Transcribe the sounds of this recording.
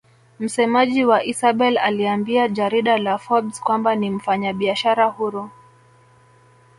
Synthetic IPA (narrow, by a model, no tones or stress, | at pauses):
m̩sɛmaʄiwaʔisaɓɛlaliambiad͡ʒaɾiɗalafɔbskwambanim̩faɲaɓiaʃaɾahuɾɔ